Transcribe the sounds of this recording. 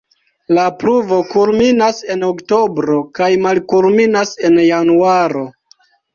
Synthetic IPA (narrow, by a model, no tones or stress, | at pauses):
lapluvo̞kulminase̞nokto̞bɾo̞kajmalkulminase̞njanuaɾo̞